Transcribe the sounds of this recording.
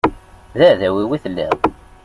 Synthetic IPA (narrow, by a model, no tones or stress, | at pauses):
ðæðæwiwiθəlːḭʁ